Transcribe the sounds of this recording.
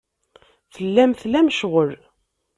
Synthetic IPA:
θəlːæmθlæmʃʁəl

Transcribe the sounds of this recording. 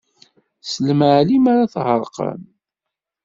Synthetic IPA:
səlməʕlimaɾaθhəɾˤqə̰n

